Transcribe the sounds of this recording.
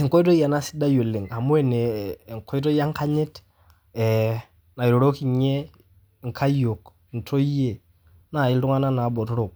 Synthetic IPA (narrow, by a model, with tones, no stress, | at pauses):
i˨ŋkɔ˦i˦t̬o˦ja˨na˦sɪ̥˦da˦jo˨le˨ŋa˨mu˦ɛ˨ne˨ŋ˨kʰɔ˦i˦t̬ɔ˦ja˦ŋ˦ka˦ɲɪ˦t | ɛ˨ | na˨i˨ɾo˨ɾo˦ki˨ɲe˦˨ | ŋ˨kʰa˦jo˨k | n̩tʰo˦je˨ | na˨ɪ˦ltu˦ŋa˦na˦na˨bɔ˨tɔ˦ɾo˨k